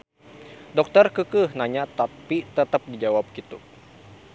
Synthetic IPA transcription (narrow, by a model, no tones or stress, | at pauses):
dɔk̚t̪ərkəkɨhnaɲat̪apit̪ət̪ap̚did͡ʒawap̚kit̪u